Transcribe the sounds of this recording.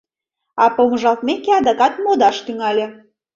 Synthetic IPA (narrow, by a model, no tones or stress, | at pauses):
ɑpoməʒɑlt̪mekeɑd̪ɑkɑt̪mod̪ɑʃt̪yŋɑlʲe